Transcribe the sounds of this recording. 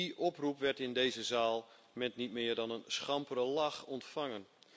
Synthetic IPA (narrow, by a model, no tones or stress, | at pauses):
iʔɔprupʋɛrtɪndejzəzaːlˠ | mɛntnitmɪːərdɔnənsχɑmpərəlaxɔntfaŋən